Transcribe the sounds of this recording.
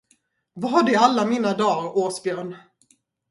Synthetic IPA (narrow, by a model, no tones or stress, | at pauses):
vaɦaɖɛalːamiːnad̪ɑːɾoːsbjœːɳ